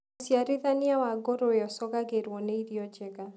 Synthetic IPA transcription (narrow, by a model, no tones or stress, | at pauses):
osjaɾɪðanɪawaɡoɾoɔsɔɡaɡeɾwɔneiɾjɔd͡ʒɛɡa